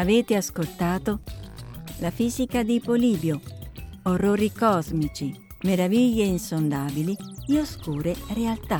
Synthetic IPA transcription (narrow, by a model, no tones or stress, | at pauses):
aveːt̪ɪaskolt̪aːt̪o | lafiːzikad̪ipoliːbjo | orːoːɾikɔzmit͡ʃi | meɾaviʎːeinsond̪aːbilidioskuːɾerealt̪a